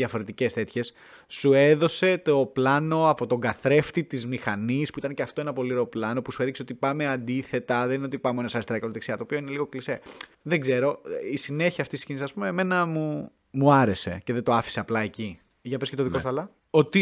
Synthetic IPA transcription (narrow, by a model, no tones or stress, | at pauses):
jɐfo̞ɾe̞t̪ice̞st̪e̞t̪çe̞sː | ue̞ðo̞se̞t̪o̞plɐno̞ɐpo̞t̪o̞ɡɐθɾe̞ft̪it̪izmixɐnispuit̪ɐneceɐft̪o̞enɐpo̞liɾo̞plɐno̞pusuðiksot̪ipɐme̞ɐnd̪iθe̞t̪ɐðenineot̪ipɐmenɐsɐɾest̪ɾɐkolt̪eksiɐt̪oːpio̞ine̞liɣo̞klise | ðeɡze̞ɾo̞isine̞çiɐːft̪isti̥scinisɐspumeːme̞nɐmu | muɐɾe̞se̞̰ceðet̪oɐfi̥seɐplɐeci | ʝɐpeskcet̪oðikos̬ɐlɐ | ot̪i